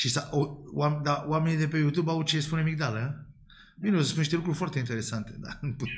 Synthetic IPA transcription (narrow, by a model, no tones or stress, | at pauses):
ʃisaʔowamd̪awame̞nid̪e̞pe̞jut̪jubawt͡ʃespunemik̚d̪alə | mineosəspuniʃt̪e̞lukɾuɾʲfoart̪eint̪eɾe̞sant̪e̞d̪a̰npu